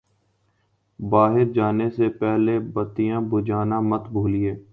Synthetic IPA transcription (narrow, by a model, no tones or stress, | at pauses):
baːɦɪɾd͡ʒaːnesepɛɦlebət̪ijãːbʊd͡ʒaːnãːmət̪bʱuːlieː